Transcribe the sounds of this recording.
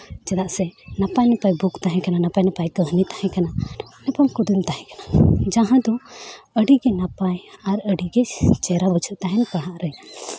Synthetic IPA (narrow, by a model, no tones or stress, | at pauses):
t͡ʃɛd̪aʔsɛnapajnɛpajbukt̪aɦɛ̃kananapajnapajkəɦnit̪ahɛ̃kananɛpamkud̪umt̪aɦɛ̃kanad͡ʒaɦãd̪ɔəɖiɡɛnapajaɾəɖiɡɛt͡ʃɛɾabut͡ʃʰuʔt̪aɦɛnkaɦaʔɾəja